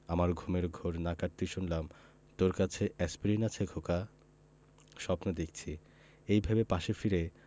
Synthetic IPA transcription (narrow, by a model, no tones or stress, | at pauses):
amaɾɡʱumeɾɡʱoɾnakaɾ̚t̪iʃunlam | t̪oɾkat͡ɕʰeʔɛspɾinat͡ɕʰeɡʱoka | ʃɔpnod̪ek̚ʰt͡ɕʰi | ejbʱabepaʃefiɾe